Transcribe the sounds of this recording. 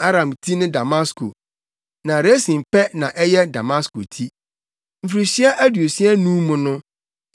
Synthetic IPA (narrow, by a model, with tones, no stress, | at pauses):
a˦ɾã˨mtʰi˦nɪ̃˦da˨mã˦skʰo̰˨ | nã˨ɾe˦sĩ˨m˨pɛ˦nã˨ʔɛ˦jɛ˦da˨mã˦sko̰˨tʰi˦ | m̩˨fɾi˨ɕi˦a˦ʔæ˦du˨o˨si˦ɛ˦nũ˦mʊ̃˨nʊ̃˦